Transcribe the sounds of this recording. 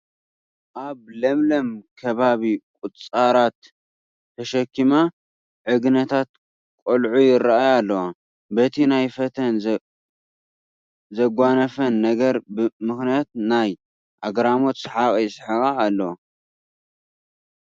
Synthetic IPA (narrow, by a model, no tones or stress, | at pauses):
ʔaβlɐmlɐmkʰɐβaβikʼʊt̪ʼt͡sʼaɾat̪̚ʰː | ɐʃɐkːima | ʕɨɡnɐt̪ʰat̪̚ | kʼolʕujɪɾːaʔajalːɐwa | bɐt̪ʰinajfɐt̪ʰɐn | zɐɡʷanɐfɐnːɐɡɐɾbɨmɨxnijat̪̚naj | ʔaɡɾamo̞t̪sħakʼɐjɪsħɨɣaːlːɐw